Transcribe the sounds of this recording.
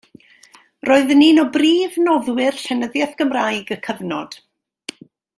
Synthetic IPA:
roːɨðəniːnɔbriːvnɔðwɪrɬɛnəðjɛθɡ̥əmrajɡəkʰəvnɔd̥

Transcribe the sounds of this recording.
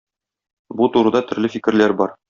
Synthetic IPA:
but̪uɾɤ̆d̪ɑt̪ɵ̆ɾlɘfikɘ̆ɾlæɾbɒɾ

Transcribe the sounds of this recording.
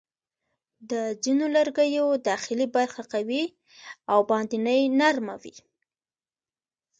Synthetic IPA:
d̪əzinoləɾɡəjod̪ɑxɪlibaɾxakawi | awbɑnd̪inəjnaɾmawḭ

